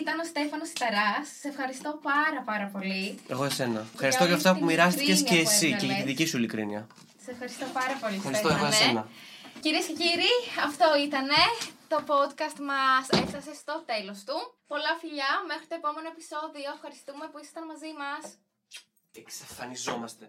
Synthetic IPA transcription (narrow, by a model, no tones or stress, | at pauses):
it̪ɐnost̪e̞fɐnosi̥t̪ɐɾɐsɐ̥se̞fxɐɾist̪o̞pɐɾɐpɐɾɐpo̞liḛɣoʝɐse̞nɐfxɐɾist̪oʝɐft̪ɐpumiɾɐst̪eseːsiceʝɐt̪iðicisuilikɾḭniɐ̰ | ɐ̥sefxɐɾist̪opɐɾɐpo̞lisɾseɐɐnsenɐciɾiesceciɾiɐft̪o̞it̪ɐne̞t̪o̞po̞d̪kɐst̪mɐsefθɐse̞st̪o̞t̪e̞lo̞st̪upo̞lɐfiʎɐme̞xɾit̪oe̞po̞me̞no̞epi̥so̞ðio̞efxɐɾist̪ume̞puisɐ̥it̪ɐnmɐzimɐs | eksɐfɐnizomɐst̪e